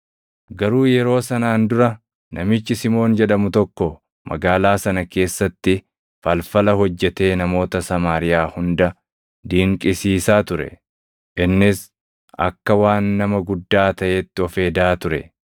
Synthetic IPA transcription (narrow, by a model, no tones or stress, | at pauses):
ɡɐɾuːjɛɾo̞ːsɐnaːnd̪ʊɾɐ | nʔɐmɪt͡ʃːɪsɪmo̞ːnd͡ʒɛᶑɐmʊt̪ɔkːɔ | mʔɐ̰ɡaːlaːsɐnɐke̞ːsːɐt̪ːɪ | fɐlfɐlɐɦɔd͡ʒːɛt̪e̞ːnɐmo̞ːt̪ɐsɐmaːɾɪjaːhʊnd̪ɐ | d̪iːŋkʼɪsiːsaːt̪ʊɾɛ̰ | ʔɪnːɪs | ʔɐ̰kːɐwaːnːɐmɐɡʊd̪ːaːt̪ɐʔeːt̪ːɪɔfe̞ːd̪aːt̪ʊɾɛ̰